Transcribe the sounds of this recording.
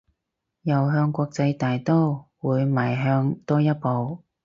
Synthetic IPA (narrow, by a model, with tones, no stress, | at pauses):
jɐ˨˩wɦœː˧ŋkʷɔː˧k̚t͡sɐ˧jt̪aː˨jt̪o˥wwuː˨˧jmaː˨˩jɦœː˧ŋt̪ɔː˥jɐ˥t̚po˨˧w